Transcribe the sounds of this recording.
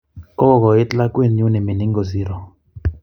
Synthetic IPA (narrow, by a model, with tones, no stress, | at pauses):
kɔ˦˨kɔ˨ɪ˦tla˦kwe˦˨n˦ju˦ne˨mi˨ni˦ŋɡo˨zi˦ɾɔ˨